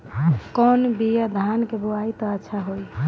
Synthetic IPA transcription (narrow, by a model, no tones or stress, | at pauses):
kɔnbijad̪ʱankeboajt̪ɔətːʃʰaɦoj